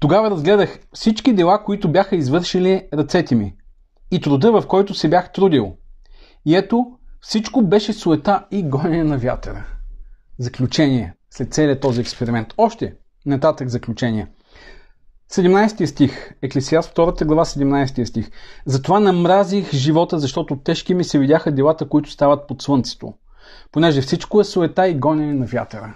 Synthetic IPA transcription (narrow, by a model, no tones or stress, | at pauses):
t̪oɡavəɾɐzɡlɛd̪əxfsit͡ʃkid̪ɛlˠakoit̪ʊbjaxəizvɤɾʃiliɾɐt̪sɛt̪ɛmiː | t̪ɾʊd̪ɤvɐfkɔjt̪ʊsɛbʲjaxt̪ɾud̪ilˠ | iɛt̪ofsit͡ʃkobɛʃɛsʊɛt̪aiɡɔjɛnɐvja̰t̪ɛ̰ɾə̰ | zɐklʲut͡ʃɛniɛslɛt̪t̪sɛliət̪ɔziɛkspɛɾimɛnt̪ɔʃt̪ɛ | nɐt̪at̪əɡzɐklʲut͡ʃɛniɛ | sɛd̪ɛmnajsɛt̪ijəst̪ixɛklisiasft̪ɔɾət̪əɡlˠɐvasɛd̪ɛmnajsɛ̥t̪ijəst̪ixzɐt̪ovanɐmɾazixʒivɔt̪əzɐʃt̪ɔt̪ʊt̪ɛʃkimisɛvid̪ʲaxəd̪ɛlˠat̪əkoit̪ʊ̥st̪avət̪̚pot̪svɤnt̪sɛ̥t̪o̰ | ponɛʒɛfsit͡ʃkoɛsʊɛt̪aiɡɔnʲɛnɛnɐvʲja̰t̪ɛɾə